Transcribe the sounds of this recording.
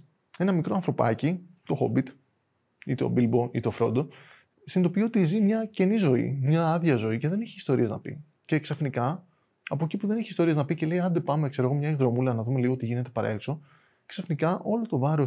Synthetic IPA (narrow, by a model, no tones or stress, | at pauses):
e̞nɐmikɾo̞ɐnθɾo̞pɐ̰cit̪o̞xo̰bit̪ | it̪eo̰bilbo̞ḭt̪e̞ofɾo̞̰d̪o | sind̪o̞pio̞t̪izimɲɐce̞nizo̞ḭmɲɐɐðʝɐzo̞ice̞ðe̞neçeist̪o̞ɾieznɐ̰pḭ | ce̞ksɐfnikɐ | ɐpo̞ecipuðe̞neçeist̪o̞ɾieznɐpice̞le̞iɐnd̪e̞pɐmekseoɣomɲɐezðɾo̞mulɐnɐðume̞liɣot̪iʝine̞t̪e̞pɐɾɐ̰ekso̞ | ksɐfnikɐʔo̞lo̞t̪o̞vɐɾo̞